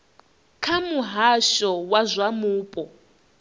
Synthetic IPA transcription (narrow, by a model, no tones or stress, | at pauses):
kʰamuɦaʃɔwazʷamuːpʼɔ